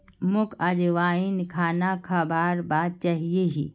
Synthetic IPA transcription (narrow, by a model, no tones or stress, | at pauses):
mʊkʰad͡ʒʋaːinkʰaːnakʰabaːɾbaːd̪̚t͡ʃaːɦieɦḭː